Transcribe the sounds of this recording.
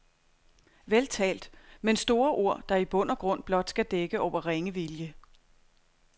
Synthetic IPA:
ʋelt͡sʰɛ̰ːld̥mensd̥o̝ːɐʔo̝ɐ̰d̥ɑ̈ib̥ɔ̽n̰ɐɡ̥ʁɔ̽n̰b̥lɒ̽d̥sɡ̥æd̥eɡ̥əɒʊ̰ɐʁeŋəʋiljə

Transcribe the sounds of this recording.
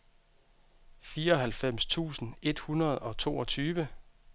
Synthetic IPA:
fiːɐɒ̽ɦælfem̰st͡sʰṵːsn̩e̝d̥hunɐð̞ˠɒ̽t͡sʰo̝̰ːɒ̽t͡sʰyːʋə

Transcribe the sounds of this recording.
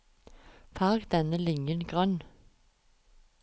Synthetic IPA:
fɑːɡd̪ɛnəlɪŋənɡʁœn

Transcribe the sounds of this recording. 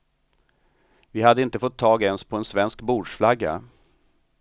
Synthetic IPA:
vɪhad̪ːəɪnt̪əfɔt̪ʰːɑːɡɛnspʰɔɛnsvɛnskbuːɖʂflaɡːa̰

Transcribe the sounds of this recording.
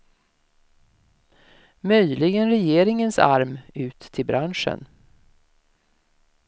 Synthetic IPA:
mœjlɪɡənɾɛjeːɾɪŋənsa̰ɾmʉ̟ːt̪ʰːɪlbɾʔanʂə̰n

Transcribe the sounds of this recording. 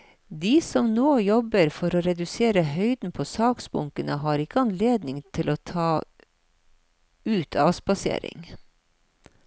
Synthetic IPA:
d̪iːsɔmnoːjɔbəɾfɔɾoːɾɛd̪ʉseːɾəɦœʏd̪n̩pʰoːsɑːksbʊ̰ŋkənəɦɑːɾɪkəɑnleːd̪nɪŋt̪ʰɪloːt̪ʰɑː | ʉːt̪ʰɑːsbɑsḛːɾɪ̰ŋ

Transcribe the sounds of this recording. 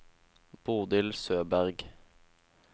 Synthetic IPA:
b̥uːd̪ɪlsøːbæʁɡ

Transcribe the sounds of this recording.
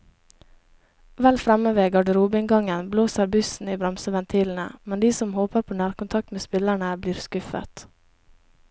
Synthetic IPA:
ʋɛlfɾɛməʋeːɡɑɖəɾuːbɪŋɡɑŋənbloːsəɾbʉsn̩iːbɾɑmsəʋɛnt̪ʰiːln̩ə̰mɛnd̪iːsɔmhoːpəɾpʰoːnæːɾkʊnt̪ʰɑk̚t̪meːspɪlæɳəbliːɾskʉfə̰t̪

